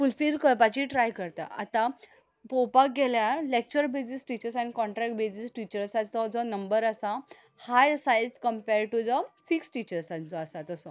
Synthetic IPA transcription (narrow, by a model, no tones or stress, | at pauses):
fulfilkəɾpat͡ɕiʈɾajkəɾt̪a̰a̰t̪ã | powpak̚ɡeljalek̚t͡ɕəɾbesisʈit͡ɕəɾsañikɔ̃ɳʈɾɛk̚ʈ̚besisʈit͡ɕəɾsãt͡sɔd͡zɔnəmbəɾasa | hajsajskəmpeɾɖʈud͡zəfiksʈit͡ɕəɾsãnt͡sɔasat̪əsɔ